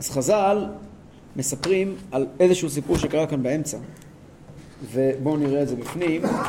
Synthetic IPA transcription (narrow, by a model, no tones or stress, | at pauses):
ʔaz̥χazal | me̞sapʁimale̞zeʃehus̬ipuʁʃekaʁakanbae̞mt͡sa | ve̞bo̞niʁeːze̞bifnim